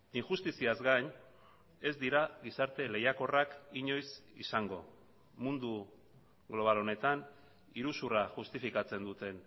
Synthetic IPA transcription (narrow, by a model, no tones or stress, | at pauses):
iŋʝust̪isiazɡaɲ | e̞zd̪iɾaɣisaɾt̪e̞le̞jako̞rakiɲo̞jsisaŋɡo̞ | mund̪u | ɡlo̞β̞alo̞ne̞t̪an | iɾusuraʝust̪ifikat͡se̞nd̪ut̪e̞n